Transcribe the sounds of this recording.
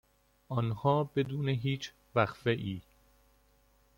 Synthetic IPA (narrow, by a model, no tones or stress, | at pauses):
ʔɒnhɒːbe̞d̪uːneɦiːt͡ʃʰ | væxfeʔiː